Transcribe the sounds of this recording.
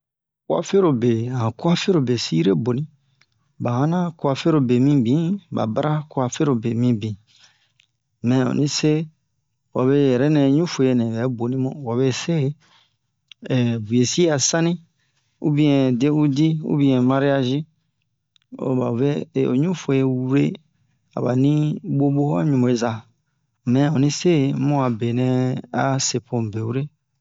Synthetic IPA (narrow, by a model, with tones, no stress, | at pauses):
ku˦a̰˨fe˦ɾo˨be˨hã˨ku˦a˦fe˦ɾo˨be˨si˦i˦ɾe˦bo˨nĩ˦ | ba˨hã˦nã˦ku˦a˧fe˦ɾo˨be˨mĩ˦bĩ˨˦ba̰˨ba˦ɾʔa˦ku˦a˨fe˦ɾo˨be˨mĩ˧bĩ˨ | mɛ̃˨o̰˨nĩ˦se˦ | wa˨be˦jɛ˨ɾɛ˦nɛ̃˧˦ɲũ˦fo˨je˨nɛ̃˨bɛ˨˦bo˨nĩ˦mõ̰˦˨wa˨βe˦se˦˨ | bu˨e˨si˦a˨sã˦nĩ˦ | ṵ˦bĩ˦ɛ̃˨de˦u˦di˦ṵ˦bĩ˨˦ɛ̃˨mã˦ɾi˦a˦˨ʒĩ˦ | o̰˨ba̰˨ve˦˨o̰˨ɲũ˦fo˨je˨˦we˦ | a̰˨ba̰˨nĩ˦ɡ͡bo˦bo˦hɔ˦ɲũ˨mõ˨e˨za˨ | mɛ̃˨o˨nĩ˦se˦˨mɔ̃˦a˨be˨nɛ̃˨˧a˦se˨pʰõ˨m˨be˨wu˦ɾe˦